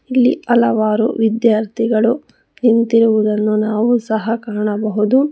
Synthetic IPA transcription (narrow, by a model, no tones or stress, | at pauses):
ilːḭɐlɐʋaːɾṵʋid̪jaːɾt̪ʰiɡɐɭu | hint̪iɾuʋud̪ɐnːunaːʋusɐɦɐkaːɳɐbɐɦud̪u